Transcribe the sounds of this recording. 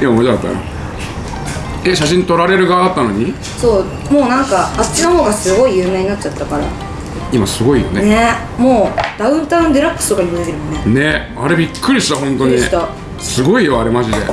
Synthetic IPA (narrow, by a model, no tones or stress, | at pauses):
imamod͡ʑaat̪ːa̰j̰o̰ | eɕaɕĩɲt̪o̞ɾaɾe̞ɾɯ̟ɡaat̪ːano̞ɲ̟i | so̞ː | moːnãŋkaːt͡ɕinoɦoːɡasɨɡo̞ijɯ̟ːme̞ːɲinatːt͡ɕat̪ːakaɾa | imasɨɡo̞ijo̞̰nene | mo̞ːd̪̥aɯ̟̃nt̪ãɯ̟̃nd̪e̞ɾakːɯ̥st̪okaɲimet̪eɯmonene̞ | aɾe̞bʲikʰːɯɾʲiɕi̥t̪aɦõ̞nt̪o̞ɲiɕt̪a | sɨɡo̞ijo̞aɾe̞maʑid̪e̞̰